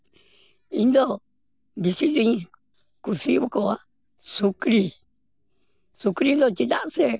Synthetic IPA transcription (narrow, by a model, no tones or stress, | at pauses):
ind̪o | βisiðiɲ̃ | kusiβokoa | sukɾi | sukɾind̪ot͡ʃiðaʔse